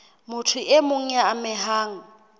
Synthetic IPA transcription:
mʊtʰʊemʊŋ̩ɛamɪɦaːŋ̩

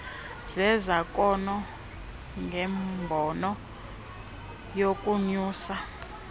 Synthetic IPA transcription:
zɛzakʼɔnɔ | ŋɡɛmbʱɔnɔ | jokʼuɲuːsa

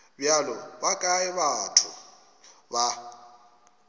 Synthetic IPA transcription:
bjalɔbakʼaɪβatʰʊ | ba

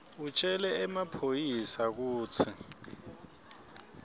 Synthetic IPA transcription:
ut͡ʃʼɛlɛɛmapʰojisak̬uːt͡sʰi

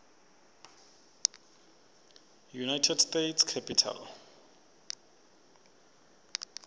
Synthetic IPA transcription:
junajtʰɛdstetskʰɛpʰʼitʰa̰l

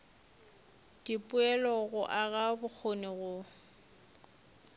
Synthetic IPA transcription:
d̥ipʼʊɛlɔɣʊʔaɣabʊk͡xʰonɪɣʊ

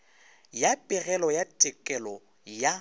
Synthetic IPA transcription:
japʼɪrɛlɔjatʼɪkʼɛlɔ | ja

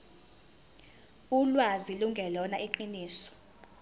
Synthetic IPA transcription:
ulwaziluŋɡʱɛlɔnaʔiǃiniːsɔ̥

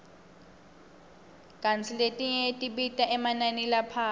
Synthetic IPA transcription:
kʼant͡sʰiletʼiɲɛtʼiɓitʼaʔɛmananilapʰaː

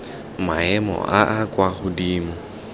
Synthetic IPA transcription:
maɛmɔ̰ʔaʔakʼwaχʊdiːmɔ

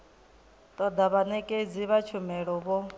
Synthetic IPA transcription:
t̪ʼɔd̪aβanɛkʼed͡ziβat͡ʃʰumɛɺɔβɔ

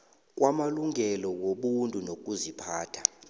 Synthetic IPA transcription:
k̬ʼwʔamaluŋʱɛlɔwoɓuntʼunokʼuzipʰaːtʰḁ

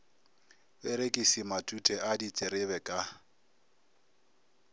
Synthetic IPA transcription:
bɛɾekʼisimatʼutʼɛʔadit͡sʼɪɾɪβɛkʼa

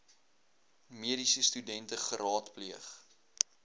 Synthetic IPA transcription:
miəɾisəstydɛntəχəɾɑːtpliəχ

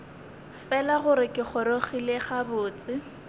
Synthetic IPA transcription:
fɛlaχʊɾɪkʼɪχɔɾoχileχabʊːt͡sʼɪ

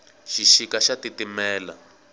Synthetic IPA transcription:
ʃiʃikaʃatitimɛːla̰

